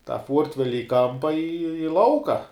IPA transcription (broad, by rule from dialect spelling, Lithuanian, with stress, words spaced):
tɑː ˈfuɔrʲtʲʋʲɛlʲɪ ɪ ˈkɐmpɐ ɪ ɪ ˈlˠɐʊkɐ